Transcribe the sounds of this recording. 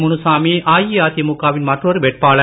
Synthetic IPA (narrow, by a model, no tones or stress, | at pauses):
mʊnɯsaːmiʔaːjiaːt̪ijɐmʊkːaːʋɪnmɐʈrɔɾɯʋɛʈ̚paːɭɐ